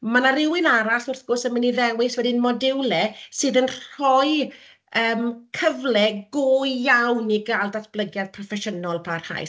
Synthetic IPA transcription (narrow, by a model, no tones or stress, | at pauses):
manaɾɪwɪnaɾasʊrθɡ̥osəmɪniðɛwɪswɛdinmɔdɪwlɛsɨːðənr̥ɔj | əːmkʰəvlɛɡojjawniɡalˠdatʰb̥lˠəɡjaðpʰrɔfɛʃənɔlˠbʰarha̰js